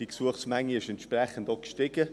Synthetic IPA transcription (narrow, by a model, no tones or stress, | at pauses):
d̥iksuəχsmɛŋːiɪʃɛnt̪ʃprɛχəndɑkʃtɪɡ̥ə